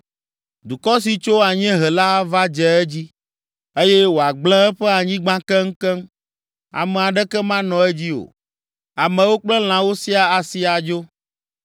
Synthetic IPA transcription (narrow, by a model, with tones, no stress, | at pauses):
d̪u˨kɔ˦si˨t͡ʃo˦a˨ɲɛ̃˦ɦɛ˨la˦va˦d͡ʒɛ˨ɛ˦d͡ʑi˦ | e˦jɛ˦wo˨a˨ɡ͡bl̃ɛ̃˦ɛ˦ɸɛ˦a˨ɲĩ˦ɡ͡bã˦kɛ˦ŋ̩˦kɛ˦m | a̰˨mɛ̃˨a˨ɖɛ˦kɛ˦mã˦nɔ̃˨ɛ˦d͡ʑi˦o̰˨ | a˨mɛ̃˨wo˦k͡plɛ˦l̃ã˨wo˦si˦a˨a˨si˨˦a˨d͡ʒo˦